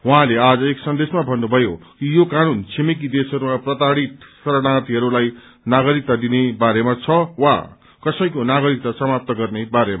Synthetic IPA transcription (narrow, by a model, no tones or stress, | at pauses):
wʌɦãlead͡zʌeksʌnd̪esmabʱʌnːubʱʌjokijokanunt͡sʰemik̬id̪esʌɾumaprʌt̪aɽit̪sʌɾʌɽat̪iɦʌɾulaj | naɡʌɾik̚t̪ad̪inebaɾemat͡sʰʌwa̰ | kʌsʌj̃konaɡʌɾik̚t̪asʌmap̚t̪ʌɡʌrnebaɾema